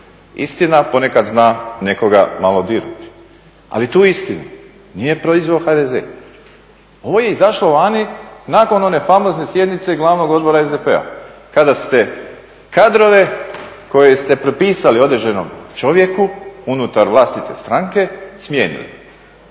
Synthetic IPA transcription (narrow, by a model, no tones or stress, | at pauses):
ḭst̪inapo̞ne̞kad̪znaːne̞ko̞ɡa̰malˠo̞d̪iɾut̪i̥ | a̰lit̪uːist̪inu | nije̞pɾo̞izʋeoxad̪ezḛː | o̞ʋo̞je̞izaʃlˠoʋaːninaːko̞no̞ne̞famo̞znesje̞d̪nit̪se̞ɡlˠaʋno̞ɡo̞d̪̚bo̞ɾaezd̪epea̰kad̪ast̪e̞ | kad̪ɾo̞ʋe̞ko̞jest̪e̞pɾopiːsalio̞d̪ɾeʒeno̰mt͡ʃo̞ʋje̞kuunut̪aɾʋlˠast̪it̪e̞st̪ɾaŋke̞smjeːnḭlḭ